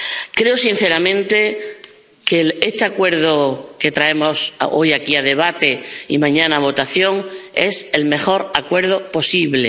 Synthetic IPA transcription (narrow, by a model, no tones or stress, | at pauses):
kɾe̞osin̟θe̞ɾamẽ̞nt̪e̞ | keest̪eakwe̞ɾðoket̪ɾae̞mo̞so̞jakiaðe̞β̞at̪e̞ḭmãɲãnaβ̞o̞t̪aθjo̞ŋe̞̰se̞lme̞xo̞ɾakwe̞ɾð̞opo̞siβle̞